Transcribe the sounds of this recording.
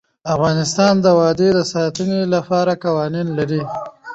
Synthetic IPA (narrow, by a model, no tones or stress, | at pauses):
afɣɑnɪst̪ɑnd̪əwɑd̪ed̪əsɑt̪ənelapɑɾakawɑninlaɾi